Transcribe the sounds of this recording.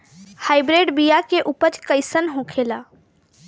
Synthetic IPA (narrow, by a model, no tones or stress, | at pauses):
haɪbɾeɖbijakeʔupət͡ʃkəɪsənɦõkʰela